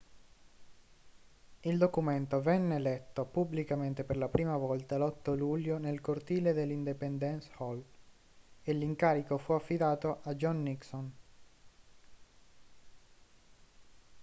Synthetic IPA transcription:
ild̪okument̪ovɛnːelɛt̪ːopubːlikament̪eperlapɾiːmavɔlt̪alɔt̪ːoluʎːonelkort̪iːled̪elːind̪ipɛnd̪ɛnshɔl | elːiŋkaːɾikofuafːid̪aːt̪oʔad͡ʒɔnːikson

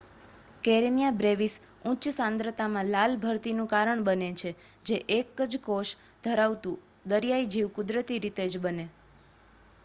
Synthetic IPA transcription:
keɾenijabɾeʋis | ũt͡ʃsãnd̪ɾət̪amãlalbʱəɾt̪inũkaɾəɳbənet͡ʃʰe | d͡ʒeʔekəd͡ʒkoʃ | d̪ʱəɾaʋt̪ũ | d̪əɾjaid͡ʒiʋkʊd̪ɾət̪iɾit̪ed͡ʒbəne

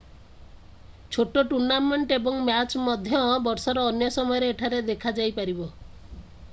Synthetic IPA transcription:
t͡ʃʰoʈoʈuɾnameɳʈebɔŋmat͡ʃmɔd̪ʱjɔbɔɾsɔɾɔːnjɔsɔmɔjɔɾeːʈʰaɾed̪ekʰad͡ʒajpaɾibɔ

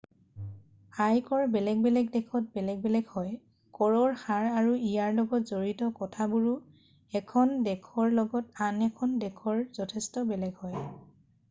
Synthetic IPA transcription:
hajkɔɹbɛlɛɡ̚bɛlɛɡdɛkʰɔt̚bɛlɛɡ̚bɛlɛɡhɔj | kɔɹɔɹxaɹaɹuijaɹlɔɡɔtzoɹitɔkɔtʰabuɹu | ɛkʰɔndɛkʰɔɹlɔɡɔtanɛkʰɔndɛkʰɔɹzɔtʰɛstɔbɛlɛɡhɔj

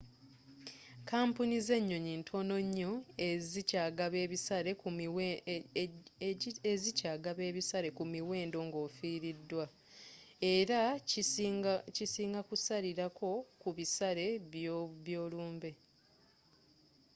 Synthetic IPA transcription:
kaːmpunize̞ɲːo̞ɲintʰo̞no̞ɲːo̞ezcaɡaβeβisaɾe̞ | ezicaːɡaβe̞ːβisaɾe̞kumiwe̞ːndo̞ːŋɡo̞ːfiːɾidːwa | e̞ɾa | cisiːŋɡakusaɾiɾakʰo̞kuβisaɾe̞βjoβjo̞ːluːmbe̞

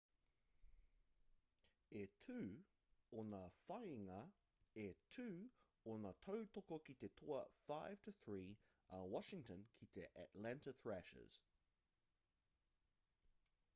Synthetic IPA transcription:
ɛtʰʉː | ɔnəfaɪɪŋə | ɛtʰʉː | ɔnatʰəʊtʰɔkokitet̪ʰɔəfaɪv̥tʰəθɹiː | awɑʃɪ̃ŋtə̃nkʰitʰeʔə̰ʔlæ̃ntəθɹæʃə̰z̥

